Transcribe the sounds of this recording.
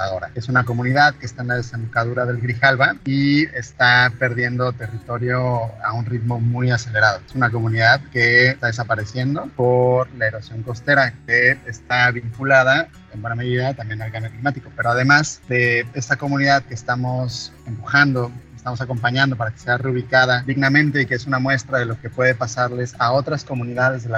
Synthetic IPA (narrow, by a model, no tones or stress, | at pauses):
ao̞ɾa̰e̞sunako̞mũniðaðke̞st̪aenlað̞e̞sembukaðuɾaðe̞lɣɾixalβaiest̪ape̞ɾðje̞nd̪o̞t̪e̞rit̪o̞ɾjo̞aunrit̪mo̞mujase̞le̞ɾað̞o̞esunak̬o̞mũniðaðke̞t̪aðe̞s̬apaɾe̞sje̞nd̪o̞po̞ɾlae̞ɾo̞sjo̞ŋko̞st̪e̞ɾake̞ːst̪aβiŋkulað̞a | embwe̞name̞ðiðat̪ambje̞nalɣanjoklimat̪iko̞pe̞ɾo̞að̞e̞mazd̪e̞est̪ako̞mũniðaðkeːst̪amo̞se̞mpuxand̪o̞est̪amo̞s̬ako̞mpaɲãnd̪o̞paɾakese̞aruβ̞ikað̞ad̪iɣnamẽnt̪e̞ikeesunamwe̞st̪ɾaðe̞lo̞ke̞pwe̞ð̞e̞pasaɾle̞sao̞t̪ɾasko̞mũniðaðe̞zðel